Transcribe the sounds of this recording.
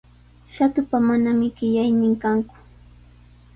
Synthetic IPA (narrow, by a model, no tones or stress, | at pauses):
ʃat̪ʊpamanamɪɢɪʎajnɪŋkaŋkʊ̥